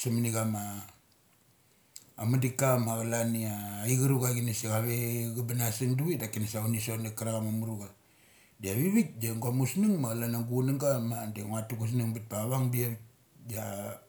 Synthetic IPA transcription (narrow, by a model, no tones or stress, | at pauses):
samaniɡama | madikamaɡalaniaiɡiɾuɡaɡinisiɣaβeɡabanasiŋduidakinasaunisonakaɾaɣamamuɾuɡa | diaβiβit̚daŋɡamusniŋmaɣalanaŋɡunaŋɡamadeŋatukus̬niŋbit̚baβaŋbiaβit̚ | ja